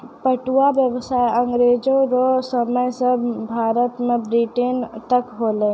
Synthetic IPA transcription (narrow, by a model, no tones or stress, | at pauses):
pəʈuabjəwsaːjə̃ŋɡɾeːd͡ʒoɾosəməjsəbbʱaːɾət̪mẽbɾiʈent̪əkɦoːle